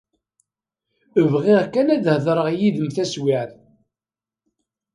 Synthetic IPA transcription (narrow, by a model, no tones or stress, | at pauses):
əvʁiʁkænæðhəðˤɾˤəʁjiðəmθæswiʕθ